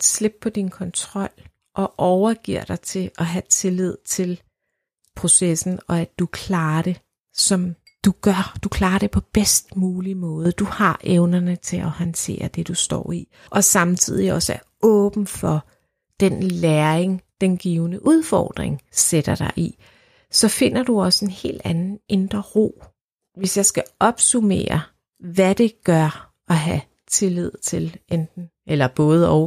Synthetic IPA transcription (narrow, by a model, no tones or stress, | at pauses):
sle̝b̥̚pʰɒ̽d̥inkʰɒ̽nt͡sʰʁɒ̽l̰ | ʔɒ̽ʔɒʊɐɡ̥iɐ̰ɾ̥ɑ̈ɪt͡sʰe̝ʔɒ̽ɦæt͡sʰe̝lið̞̰ˠt͡sʰe̝l | pʰʁo̝sesn̩ɒ̽æ̥ukʰlɑːɐɾ̥e̝ | sɒ̽m | d̥uɡ̥ɶɐd̥ukʰlɑ̈ːɾ̥e̝pʰɒ̽b̥esd̥muːlimɔ̽ːðˠəd̥uhɑ̈ʔeʊnɐnət͡sʰe̝lʔɒhɒnt͡sʰe̝̰ːɐd̥e̝d̥usd̥ɒ̰ːi | ʔɒ̽sɑ̈mt͡sʰið̰ˠiɒ̽səæɐɔ̽ːb̥n̩fɒ̽ | d̥enleːɐeŋd̥enɡ̥iːʊnəʔuð̞ˠfɒ̰ːd̥ʁeŋsed̥ɐɾ̥ɑ̈ɪʔi | sɒ̽fe̝n̰ɐd̥uɒ̽səe̝nhe̝̰ːld̥ænn̩e̝nd̥ʁɐʁo̝̰ː | ʋe̝sjɑ̈ɪsɡ̥æʔɒ̽b̥sume̝̰ːɐ | ʋæd̥e̝ɡ̥ɶɐ | ɒ̽ɦæ | t͡sʰe̝lið̞̰ˠt͡sʰe̝lend̥n̩ | elɐb̥ɔ̽ːð̞̩ˠɒʊ